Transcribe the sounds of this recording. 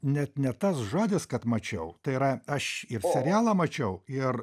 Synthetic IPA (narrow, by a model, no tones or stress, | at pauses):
nʲɛt̪nʲɛt̪ɐsʒoːd̪ʲɪskɐt̪mɐt͡ʃʲɛʊt̪ɐɪiɾɐɐʃɪrsʲɛɾʲɪjæːlˠɐmɐt͡ʃʲɛʊɪr